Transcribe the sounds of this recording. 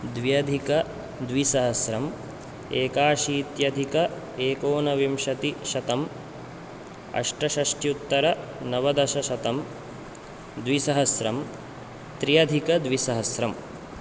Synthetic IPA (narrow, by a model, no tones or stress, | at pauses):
d̪ʋijɐd̪ʱikɐ | d̪ʋisɐɦɐsɾɐm | eːkaːʃiːt̪jɐd̪ʱikɐ | eːkoːnɐʋimʃɐt̪iʃɐt̪ɐm | ɐ̰ʂʈɐʃɐʂʈjut̪ːɐɾɐnɐʋɐd̪ɐʃɐʃɐt̪ɐm | d̪ʋisɐɦɐsɾɐm | t̪ɾijɐd̪ʱikɐd̪ʋisɐɦɐsɾɐm